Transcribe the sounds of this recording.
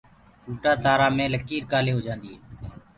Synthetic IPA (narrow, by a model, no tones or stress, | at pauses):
kuːʈaːt̪aːɾaːmẽːləkiːɾkaːleːɦoːd͡ʒãːnd̪iːḛː